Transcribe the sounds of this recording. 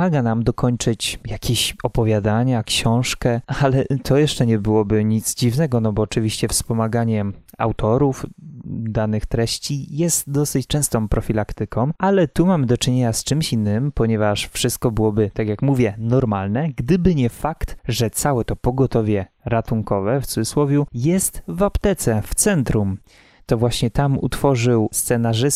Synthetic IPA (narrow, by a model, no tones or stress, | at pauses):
aɡanamd̪ɔkʰɔɲt͡ʂɘt͡ɕjakʲʰeɕɔpɔvʲjad̪aɲakɕɔ̃w̃ʂkɛalɛt̪ʰɔjɛʂt͡ʂɛɲɛbɘwɔbɘɲit̪zd͡ʑivnɛɡɔnɔbɔːt͡ʂɘvʲiɕt͡ɕɛfspɔmaɡaɲɛa̰wt̪ɔɾufd̪anɘxt̪ɾɛɕt͡ɕijɛst̪d̪ɔsɘt͡ɕt͡ʂɛ̃w̃st̪ɔ̃w̃pɾɔfʲilakt̪ɘkʰɔ̃w̃ʔalɛt̪umamɘd̪ɔt͡ʂɘɲeɲast͡ʂɘmɕinːɘmpɔɲɛvaʂfʂɘst̪̚kɔbɘwɔbɘt̪akʲjakmuvʲjɛnɔɾmalnɛɡd̪ɘbɘɲɛfakt̪ʐɛt̪sawɛt̪ɔpɔɡɔt̪ɔvʲjɛ | ɾat̪uŋkɔvɛft̪suɨ̥swɔvʲjujɛst̪vapt̪ɛt̪sɛft̪sɛnt̪ɾum | t̪ɔvwaɕɲɛt̪amṵt̪fɔʐɘwst̪sɛnaʐɘs